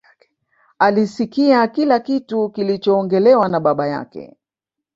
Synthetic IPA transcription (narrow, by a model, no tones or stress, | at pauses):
alisikiakilakitukilit͡ʃɔːŋɡɛlɛwanaɓaɓaja̰kɛ̰